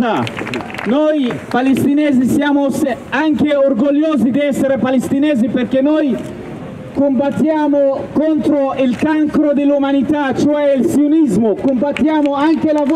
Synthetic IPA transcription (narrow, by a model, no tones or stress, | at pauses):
a | nojpalest̪ineːzisjaːmos | aŋk̟eorɡolːoːzid̪iɛsːeɾepalest̪ineːziperkenːoj | kombat̪ːjaːmokont̪ɾoilkaŋkɾod̪elːumanit̪at͡ʃoɛilsjonizmokombat̪ːjaːmoaŋkelav